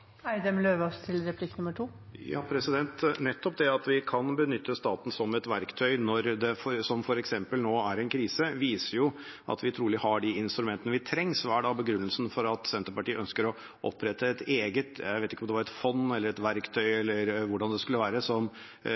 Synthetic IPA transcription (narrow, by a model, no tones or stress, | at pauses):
æɪd̪ɛmløːʋɔst̪ʰɪlɾɛpʰlɪkːnʉmːəʈʰuː | jɑ̰ːpʰɾɛsɪd̪ɛnt̪nɛt̪ːɔp̚d̪ɛɑt̪ʋɪkʰɑnbənʏt̪ʰːəst̪ɑːt̪n̩sɔmɛt̪ʋæɾkt̪ʰœʏnɔɾd̪ɛfɔɾsɔmfɔɾɛksɛmpəlnoːæɾɛnkʰɾiːsəʋiːsəɾjʊʔɑ̰t̪ʋɪt̪ʰɾuːlɪhɑɖɪɪnst̪ɾʉmɛnt̪ənəʋɪt̪ʰɾɛŋːsʋæːɖɑbəɡɾʉnːəlsn̩fɔɾɑt̪sɛnt̪əɾpɑʈiːəʔœnskəɾɔ | ʔɔ̰pʰːɾɛt̪ʰːəɛt̪eːɡət̪jæ̰ɪʋeːt̪ɪkːɔmd̪ɛʋɑɾɛt̪fɔnɛlːəɾɛt̪ʋæɾkt̪ʰœʏɛlːəɾʋʊɖɑnd̪ɛskʉlːəʋæːɾəsɔm